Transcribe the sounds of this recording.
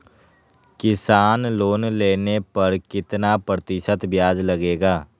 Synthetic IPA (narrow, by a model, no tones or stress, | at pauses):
kɪsaːnloːnleːnepɐɾkɪt̪napɾət̪ɪʃət̪bjaːd͡ʒləɡeːɡaː